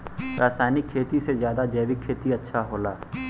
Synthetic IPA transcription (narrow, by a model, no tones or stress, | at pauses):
ɾʔaːsaːjnɪkʰːeːt̪isezjaːd̪ad͡ʒɛːʋikʰːeːt̪iɐtːʃʰaɦoːlaː